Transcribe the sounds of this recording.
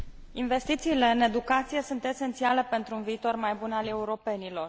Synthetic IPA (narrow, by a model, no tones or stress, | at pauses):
inve̞st̪it̪siːle̞ɨne̞d̪ukat̪sijesunt̪e̞se̞nt̪siale̞pe̞nt̪ɾuunviːt̪o̞rmajbunale̞uɾo̞pe̞nilo̞r